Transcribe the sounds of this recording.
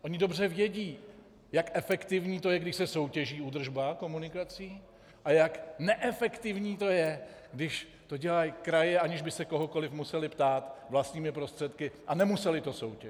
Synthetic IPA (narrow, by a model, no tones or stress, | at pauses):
ʔo̞ɲɪdo̞br̝ɛvjɛɟiː | jakʔɛfɛkt̪ɪvɲiːt̪o̞jɛɡdɪʃsɛso̞wcɛʒiːud̪r̩ʒbako̞munɪkat͡siː | ʔajaknɛʔɛfɛkt̪ɪvɲiːt̪o̞jɛ | ɡdɪʃ | t̪o̞ɟɛlajkɾajɛʔaɲɪʒbɪsɛko̞ɦoko̞lɪfmusɛlɪpt̪aːt̪vlast̪ɲiːmɪpɾo̞st̪r̥ɛt̪kɪʔanɛmusɛlɪt̪o̞so̞wcɛ